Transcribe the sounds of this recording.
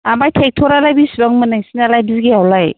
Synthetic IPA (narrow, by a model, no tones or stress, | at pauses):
amajtʰek̚tʰɔɾalajbisbaŋmɯnɯŋsinalajbizɡeawlaj